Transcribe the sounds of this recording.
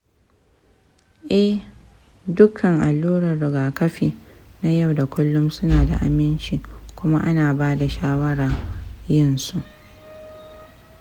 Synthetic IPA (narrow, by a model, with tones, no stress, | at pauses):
ʔɛ˦h | dʊ˦kʰːɐ˨ŋʔa˨lːuː˦ɾɐ˨rːʊ˨ɡaː˨kɐ˦ɸiː˨na˦ja˦˨wda˨kʷʊ˦lːʊ˦msʊ˦naː˨da̰˨ʔa˨mɪ˦nt͡ʃiː˨kʷʊ˦ma˦ʔa˦naː˨baː˦da˨ʃaː˦wɐ˦ɽa˨jɪ˦nsu˨ʔ